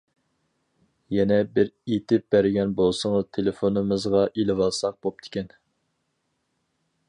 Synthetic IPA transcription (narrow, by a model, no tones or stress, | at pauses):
jɛnɛbɪɾet̪ɪp̚bæɾɪɡʲɛnbolˠsəŋəzt̪ʰelɪfonɨmɨzʁɑʔelɪvɑlˠsɑq̚b̥op̚t̪ʰɪ̥kʲɛn